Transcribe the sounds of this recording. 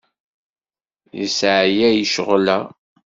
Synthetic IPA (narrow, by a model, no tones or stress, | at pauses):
jə̰sʕjæjəʃəʁlæ